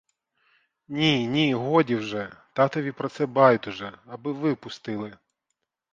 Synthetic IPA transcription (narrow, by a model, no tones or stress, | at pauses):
nʲinʲiɦɔdʲiwʒɛt̪ɑt̪ɔʋʲipɾɔt̪sɛbɑjʊt̪ʊʒɛɐbɪʋɪpʊst̪ɪlˠɪ